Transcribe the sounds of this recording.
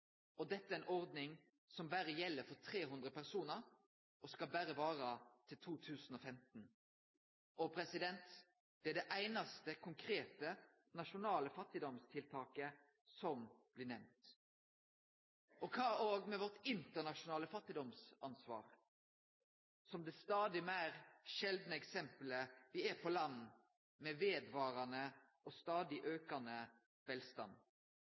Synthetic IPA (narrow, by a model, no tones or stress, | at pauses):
ɔd̪ɛt̪ːəæɪnʔɔʁd̪nɪŋ | sɔmbæːɾəjɛlːəɾfɔt̪ʰʁeːɦʉnd̪ʁəpæʁsuːnəɾ | ʔɔskɑlbæːɾəʋɑːʁɑt̪ʰɪlt̪ʰuːt̪ʰʉːsn̩ɔːfɛmt̪n̩ | ʔɔpʰɾɛsɪd̪ɛnt̪ | d̪̥ɛæd̪ɛʔæɪnɑst̪əkʰʊŋkʰɾeːt̪ə | nɑʃʊnɑːləfɑt̪ːɪd̪ɔmst̪ʰɪlt̪ʰɑːkə | sɔmb̥lɪnɛʋnt̪ | ɔkʰɑːoːɡmɛʋɔʁt̪ɪnt̪əʁnɑʃʊnɑːləfɑt̪ːɪd̪ɔmsɑnsʋɑ̰ːʁ | sɔmd̪ɛst̪ɑːd̪ɪmæɪɾʃɛld̪nəɛksɛmpləʋɪæpʰɔlɑnː | mɛʋeːd̪ʋɑːɾɑnə | ʔɔst̪ɑːd̪ɪʔøːkɑnə | ʋɛlst̪ɑ̰n